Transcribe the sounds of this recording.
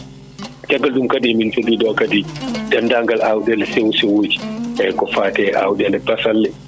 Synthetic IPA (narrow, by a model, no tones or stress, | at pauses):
t͡ʃaɡaldumkadimint͡ʃodiːdɔkadidandaːŋɡalʔawdɛlɛsewsɛwoːd͡ʒi̥ɛkɔfaːtɛʔa̰wdɛlɛbasalːɛ